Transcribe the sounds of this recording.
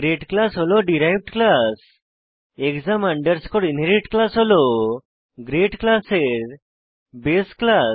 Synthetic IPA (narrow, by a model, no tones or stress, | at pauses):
ɡɾeʈklasɦolɔɖiɾajʋʈklas | ekzamãɳɖəɾskɔɽinɦeɾiʈklasɦolɔ | ɡɾeʈklaseɾ | beskla